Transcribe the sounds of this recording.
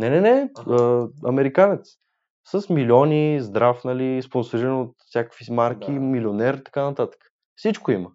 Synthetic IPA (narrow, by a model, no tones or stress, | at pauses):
nɛnɛnɛəɐmɛɾikanɛt̪s | səsmilʲiɔnʲizd̪ɾafnɐlisponsoɾiɾənot̪fsʲjakə̥kvimaɾk̟ʲimilʲionɛɾt̪ɐ̥kanɐt̪at̪ə̥kə̥ | fsit͡ʃkoimə